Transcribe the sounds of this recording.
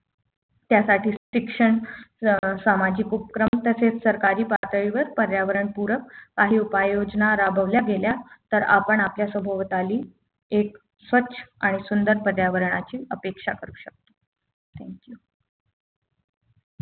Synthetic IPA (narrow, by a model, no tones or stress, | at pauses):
t̪jasaʈʰiːɕikʂəɳ | samad͡ʑikupəkɾəmt̪əset͡ssəɾkaɾiːpat̪əɭiʋəɾpəɾjaʋəɾəɳpuɾəkːaɦiːupajod͡ʑnaɾabʱəʋljaɡeljat̪əɾa̰pəɳapljasəbʱəʋt̪aliː | ek̚ | sʋətːɕʰə̥aɽ̃isund̪əɾpəɾjaʋəɾəɳ̃at͡ɕiːəpekʂakəɾuːɕək̚t̪o̥ | t̪ʰæŋkju